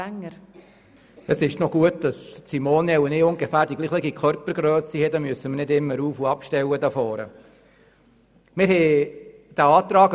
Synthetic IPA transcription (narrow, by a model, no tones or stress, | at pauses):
ŋːəɾ | əsɪʃtnɔɡ̥uətd̥ɑssimoːnɛunɪːʊŋɡefæːɾd̥iɡliːχləɡikʰœɾpəɾɡɾœːsihɛdɑmyəsəməɾnɪdɪmːəɾuːfuɑpʃtɛwədɑfɔːɾə̰ | mɪɾhɛ | d̥æɑːt̪ɾɑːɡ